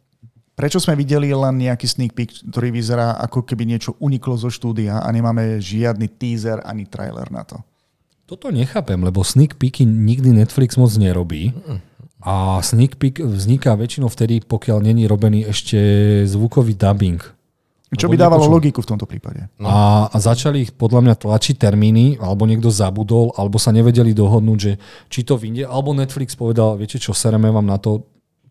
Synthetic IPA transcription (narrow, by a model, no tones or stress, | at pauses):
pɾɛt͡ʃɔzmɛʋiɟɛlilɛnɲɛakiːsniːk̚pikt̪ɔɾiːʋizɛɾaːʔa̰kɔkɛbiɲɪɛt͡ʃɔʔuɲiklɔzɔʃt̪uːd̪iaʔa̰ɲɛmaːmɛʒɪad̪̚nit̪iːzɛɾa̰ɲit̪ɾa̰jlɛ̰ɾna̰t̪ɔ̰ | t̪ɔt̪ɔɲɛxaːpɛmlɛbɔsnikpikiɲiɡd̪inɛt̪fliɡz̥mɔd͡zɲɛɾɔbḭː | asnikpikvzɲikaʋɛt͡ʃinɔʊft̪ɛd̪ipɔkɪalɲɛɲiɾɔbɛniːɛʃcɛzʋukɔʋiːd̪abiŋk | ɛt͡ʃɔbbid̪aːʋalɔlɔɡikuft̪ɔmt̪ɔpɾḭːpa̰ɟɛ̰azat͡ʃalipɔd̪ʎamɲat̪lat͡ʃic̚t̪ɛɾmiːnialɛbɔɲɪɛɡ̚d̪ɔzabud̪ɔlʔalɛbɔsaɲɛʋɛɟɛlid̪ɔɦɔd̪nuːɟʒɛt͡ʃit̪ɔʋiɲɟɛʔalɛbɔnɛt̪flikspɔʋɛd̪alʋɪɛcɛt͡ʃɔfsɛɾɛmɛʋaːmnat̪ɔ